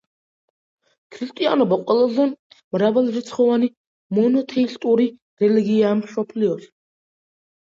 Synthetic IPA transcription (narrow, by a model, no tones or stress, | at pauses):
kʰɾist̪ʼia̰nɔbaqʼwɛlˠazɛ | mɾavɛlˠɾit̪sʰχɔvani | mɔnɔt̪ʰɛist̪ʼuɾi | ɾɛliɡiaːmsɔpʰliɔs